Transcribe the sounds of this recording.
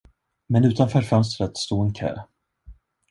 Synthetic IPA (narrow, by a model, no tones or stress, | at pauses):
mɛnʉ̟ːt̪anfœːɾfœnst̪ɾət̪st̪oːɛnkʰœ̰ː